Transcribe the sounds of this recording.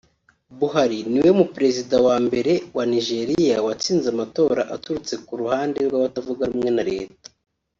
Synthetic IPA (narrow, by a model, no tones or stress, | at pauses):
βuɦaɾiniwe̞mupɾe̞zidawaːmbe̞ɾe̞waniʒe̞ɾijawat͡siːnzamato̞ːɾaʔatuɾut͡se̞kuɾuhaːnde̞ɾɡwaβatavuɡaɾumŋe̞naɾe̞̰ːtḁ